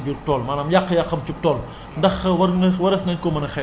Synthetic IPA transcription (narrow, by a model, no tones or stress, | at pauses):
bir̚tɔːlmaːlɐmjaqːəjɐqːɐmt͡ʃup̚tɔːl | ndɐxwɐwɐɾɐsnɐɲkɔmɐnɐxɛ